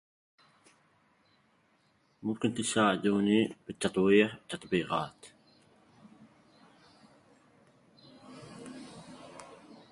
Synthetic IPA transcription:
mʊmkɪnt̪ɪsaːʕɪd̪uːnibɪt̪ːɑt̪ˤwiːħt̪ːɑt̪ˤbiːɣɑ̰ːt̪

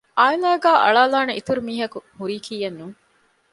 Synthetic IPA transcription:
ʔaːilaːɡæːʔɐ̰ɭaːlaːneʔit̪uɾumiːɦɐkuhuɾiːkʰiːjɐnːuŋ

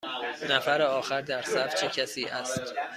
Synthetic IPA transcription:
næfæɾeɒːxæɾd̪æɾsæft͡ʃʰecʰæsiːʔæst̪

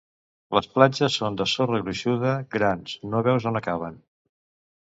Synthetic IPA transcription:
ləsplad͡ʒəsːond̪əsorəɣɾuʃuðəɡɾanznoβɛwzonəkaβ̞ən

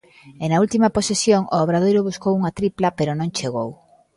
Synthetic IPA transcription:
enɐult̪imɐposesjoŋooβ̞ɾaðojɾoβuskowuŋɐt̪ɾiplɐpeɾonõŋt͡ʃeɣ̞ow

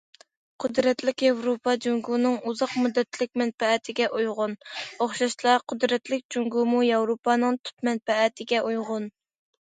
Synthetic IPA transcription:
qʰʊd̪ɾɛt̪lɪkʲjɑwɾopʰɑd͡ʒuŋɡunɨŋuzɑqmud̪ːɛt̪lɪk̚ʲmɛnpɛɛt̪ʰɪɡʲɛʔujʁʊnoχʃɑʃlˠɑqʰʊd̪ɾɛt̪lɪk̚ʲd͡ʒuŋɡumujɑwɾopɑnɨŋt̪ʰy̥t̪mɛnpɛɛt̪ʰɪɡʲɛʔujʁʊn

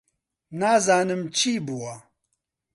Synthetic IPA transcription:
naːzaːnɨmt͡ʃʰiːbuwɐ

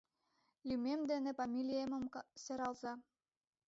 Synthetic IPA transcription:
lʲymemd̪enĕpɑmʲilʲijemə̆mseɾɑlzɑ

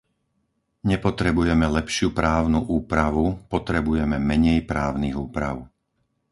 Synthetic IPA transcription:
ɲɛpɔt̪ɾɛbujɛmɛlɛpʃɪupɾaːʊnuʔuːpɾaʋupɔt̪ɾɛbujɛmɛmɛɲɛjpɾaːʊniɣuːpɾa̰ʊ

